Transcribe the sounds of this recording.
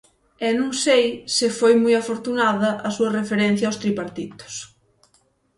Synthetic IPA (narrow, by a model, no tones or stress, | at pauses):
ɛnũŋsejsɪfojmujafoɾt̪unaðɐʔasuɐrefeɾen̟θjawst̪ɾipaɾt̪it̪ʊ̥s